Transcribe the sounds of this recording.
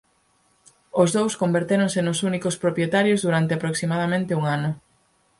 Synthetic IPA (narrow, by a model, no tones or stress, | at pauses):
ʊzðowskombeɾt̪eɾoŋsenʊsunikospɾopɾjet̪aɾjozðuɾant̪eapɾoksimað̞amẽnt̪euŋanʊ